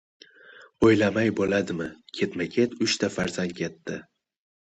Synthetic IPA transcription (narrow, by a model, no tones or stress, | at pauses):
ojlamajbolad̪ɪmɪkʲʰe̞t̪makʲʰe̞t̪ʰʊʃt̪ʰafaɾzand̪̚kʲʰe̞t̪ːɪ